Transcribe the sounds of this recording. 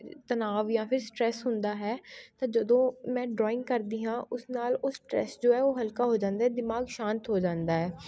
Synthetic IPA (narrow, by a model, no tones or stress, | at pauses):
t̪ənaːʋjãːpʰɪɾsʈɾɛːsɦʊnd̪aːɦɛːt̪ãːd͡ʒəd̪õːmɛ̃ːɖɾɔːɪ̃ŋɡkəɾd̪iːɦãːʔʊsnaːloːsʈɾɛ̰ːsd͡ʒoːɛːoːɦəlkaːɦoːd͡ʒãːnd̪aːɛːd̪ɪmaːɡʃãːnt̪ɦoːd͡ʒãːnd̪aːɦɛː